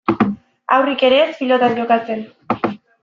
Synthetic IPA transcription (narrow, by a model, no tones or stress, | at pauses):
awrike̞ɾe̞ːspilo̞t̪and͡ʒo̞kat͡se̞n